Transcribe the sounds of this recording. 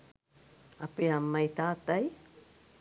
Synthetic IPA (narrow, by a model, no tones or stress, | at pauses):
apeamajt̪aːt̪aj